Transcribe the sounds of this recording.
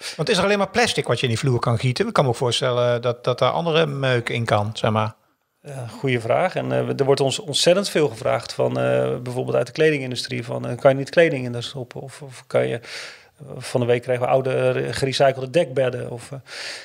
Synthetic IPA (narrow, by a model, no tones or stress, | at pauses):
ʋɑntɪsdərɑlejnmaːɹplɛstɪkʋɑtjəɪndivluːɹkɑnχitənɪkːɑnməowkfoːɹstɛləndɑtdɑtaɹʔɑ̰ndərəmøɥkɪnkɑnsɛχmaːɹ | χujəvraːχɛndəɹʋɔɹtɔnsɔnsɛtəntfɪːlˠχəvra̰ːχtfɑn̰bɛjvoːɹbɪlˠta̰ɥt̚dəklejdɪŋɪndystrivɑ̰nkɑnjənitklejdɪŋɪndəɹstɔpəɔfɔfkɑ̰njə̰ | fɑndəʋejkʰːrɛjɣənʋəʔawdəχərisajkəl̩ˠdədɛk̚bɛdəɔf